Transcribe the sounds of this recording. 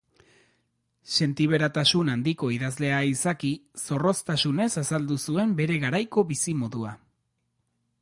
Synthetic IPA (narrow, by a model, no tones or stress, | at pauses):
se̞nt̪iβ̞e̞ɾat̪asunand̪iko̞iðazle̞aisakiso̞ro̞st̪asune̞sasald̪usue̞mbe̞ɾe̞ɣaɾajko̞βisimo̞ðua